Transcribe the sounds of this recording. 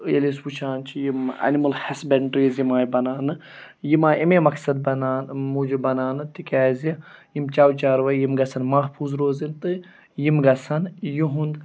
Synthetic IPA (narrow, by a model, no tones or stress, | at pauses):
jɐlisput͡ʃʰaːnt͡ʃʰijimɐ̰nimɐlhɐsbeɳʈɾiːzjimaːjbɐnaːnɨ | jimaːimemɐksɐd̪̚bɐnaːnmud͡ʒubɐnaːnɨt̪ikʲaːzi | jimt͡ʃaːwt͡ʃaːɾʋɐjjimɡɐsʰɐnmɐɦpʰuːzɾoːzint̪ɨ | jimɡɐsɐnjuɦũnd̪